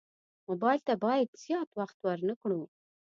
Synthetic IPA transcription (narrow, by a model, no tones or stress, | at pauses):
mobɑjlt̪abɑjad̪z̥jɑt̪waxt̪wəɾnəkɳu